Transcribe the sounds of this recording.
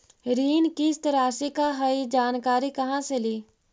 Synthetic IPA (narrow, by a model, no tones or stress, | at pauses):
ɾiːnkist̪ɾaːsikaɦəid͡ʒaːnkaːɾikɐɦãseliː